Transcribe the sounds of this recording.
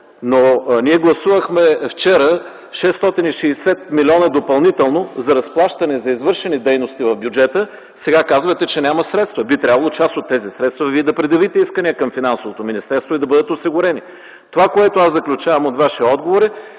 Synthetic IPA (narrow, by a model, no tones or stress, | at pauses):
noniɛɡlˠɐsuvəxmɛft͡ʃɛɾə | ʃɛst̪ɔt̪iniʃɛːsɛt̪̚milʲɔnɐd̪opɐlˠnit̪ɛlˠnozɐɾɐsplˠaʃt̪ɐnɛzɐizvɤɾʃɛnid̪ɛjnost̪ivɐvbjud͡ʒɛt̪ə | sɛɡakazvət̪ɛt͡ʃɛnʲaməsɾɛt̪st̪vɐbit̪ɾʲabɐlˠot͡ʃasot̪ːɛzisɾɛt̪st̪vəviɛd̪ɐpɾɛd̪ɐvit̪ɛiskəniəkɐmfinansovot̪ominist̪ɛɾst̪void̪ɐbɤd̪ət̪osiɡʊɾɛni | t̪ovakoɛt̪oazɐklʲut͡ʃavəmot̪vaʃiɔd̪̚ɡovoɾi